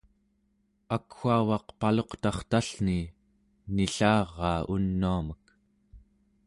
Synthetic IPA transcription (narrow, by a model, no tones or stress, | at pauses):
akxuavɑqpalo̞qt̪ɑχt̪aɬni | niɬɑːʁːɑːunːuamək